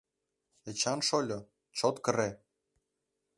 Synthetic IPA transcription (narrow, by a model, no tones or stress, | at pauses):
et͡ɕɑnʃolʲɤ̆ | t͡ɕot̪kə̆ɾe